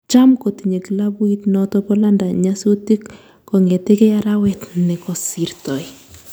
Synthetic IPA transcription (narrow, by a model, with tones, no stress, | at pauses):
t͡ʃa˦mko˨ti˨ɲe˨ki˨la˦bu˦i˦tnɔtɔpɔ˦la˦nda˨ɲa˦soti˦k | kɔ˨ŋe˨te˦ke˦a˦ɾa˦wɛtnɛ˨kɔ˨si˨rtɔ˨j